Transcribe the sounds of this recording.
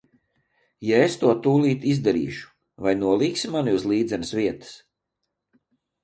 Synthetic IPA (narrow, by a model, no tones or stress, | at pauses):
jaest̪uɔt̪uːlˠiːt̪izd̪ɛɾḭːʃu̥ | vajnuɔlˠiːksimaniuzlˠiːd̪zɛnɨsviɛt̪ə̥s